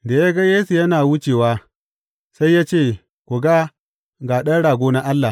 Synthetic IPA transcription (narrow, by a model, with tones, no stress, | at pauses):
da˨ja˦ɡa˦jeː˦su˨jɐ˦naː˨wʊ˦t͡ʃeː˨waː˦ | sa˦jːaː˦t͡ʃeː˦˨ | kʷu˨ɡa˦ | ɡaː˨ɗɐ˦nɽaː˨ɡʷoː˦na˦ʔa˦lːa˨